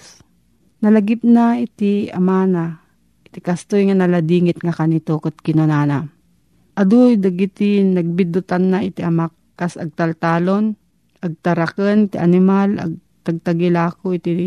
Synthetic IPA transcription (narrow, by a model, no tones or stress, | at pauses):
s | nɐlaɡɪp̚naɪt̪ia̰maːna | ɪt̪ɪkast̪ojŋanɐlad̪iŋɪt̪ŋakanit̪okot̪̚kɪnanana | ʔad̪ujd̪aɡit̪inɐɡ̚bɪd̪ʊt̪anːaɪt̪iʔɐmakːasa̰ɡ̚t̪alt̪aːlon | aɡ̚t̪aɾakənɪt̪ɪʔanɪmala̰ɡ̚ | t̪aɡ̚t̪aɡɪlaːkoɪt̪i